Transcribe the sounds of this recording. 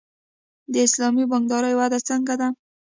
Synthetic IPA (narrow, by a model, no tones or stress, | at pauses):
d̪əɪslɑmibɑŋɡd̪ɑɾəjwad̪at͡səŋɡad̪a